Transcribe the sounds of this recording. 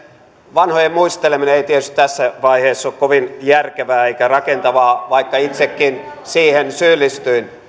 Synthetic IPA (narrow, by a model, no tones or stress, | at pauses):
ʋɑnhojemmuist̪elemineeit̪iet̪yst̪t̪æsːæʋɑiheːsːokkoʋinjærkeʋæːeikærɑkent̪ɑʋɑːʋɑikːɑit̪sekːin | siːhensyːlːist̪yin